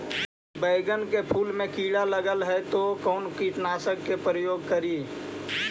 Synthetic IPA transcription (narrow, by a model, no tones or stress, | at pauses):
bəɪɡənkepʰuːlmẽkiːɽaləɡəlɦɛt̪okɔʊnkiʈ̪naːsəkːepɾəjoːɡ̚kəɾiː